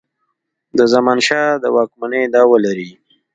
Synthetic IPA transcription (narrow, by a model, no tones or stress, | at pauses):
d̪əzamɑnʃɑd̪əwɑkmaned̪ɑwəlaɾi